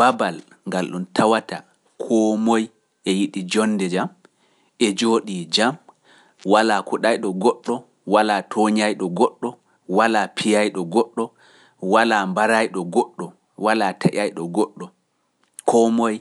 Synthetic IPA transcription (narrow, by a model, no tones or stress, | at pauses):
b̥abal | ŋɡalɗuntʰawata | kʰɔmoj | ʔɛjiɗid͡ʒɔnːdɛd͡ʒam | ɛd͡ʒoːɗid͡ʒam | walakuɗajɗɔɡɔɗːɔ | walatʰoɲajɗɔɡɔɗːɔ | walapʰijajɗɔɡɔɗːɔ | walambaɾajɗɔɡɔɗːɔ | walatʰaʔajɗɔɡɔɗːɔ | kʰɔmoj